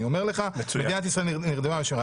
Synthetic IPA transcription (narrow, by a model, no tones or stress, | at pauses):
io̞me̞ʁleχaemeinat̪isʁaelniʁd̪emameʃmea